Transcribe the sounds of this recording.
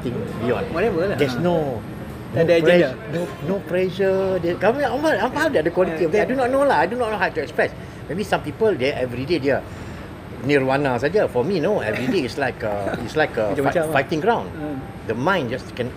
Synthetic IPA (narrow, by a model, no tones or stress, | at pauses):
t̪ĩŋbijɔ̰̃nwɔɾɛvədɛsno | nodpɛnonopɹɛʒədɛskaãaãadɛdəkwɔliiɔfdɛajdunɔt̚nolaajdunɔt̚nohawtuɛkspɹɛs | mebisãmpipəldɛʔɛvɹidedɛə | niəwanasadəfɔminoɛ̰vɹideitslaɪkaitslajkəfajtɪ̃ŋɡɹãw̃n | dəmãɪ̃nd͡ʒaskɛ̃n